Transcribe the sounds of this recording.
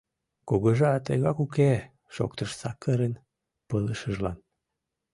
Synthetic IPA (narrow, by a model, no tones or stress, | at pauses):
koɣəʒɑt̪ə̰ɣɑkuke | ʃo̰k̚t̪əʃsɑkəɾen | pələʃəʒlɑn